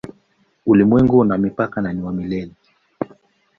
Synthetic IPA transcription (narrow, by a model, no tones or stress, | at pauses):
ulimwɛŋɡunamipakananiwamilɛli